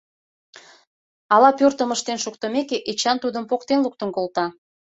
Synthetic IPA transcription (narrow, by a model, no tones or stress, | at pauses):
ɑlɑpørt̪əməʃt̪enʃuk̚t̪əmekeʔit͡ɕɑnt̪ud̪əmpokt̪enluk̚t̪ənkolt̪ɑ